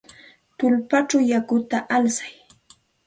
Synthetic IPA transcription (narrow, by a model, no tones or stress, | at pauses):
t̪ʊlpat͡ʃawjakʊt̪aʔalsḁj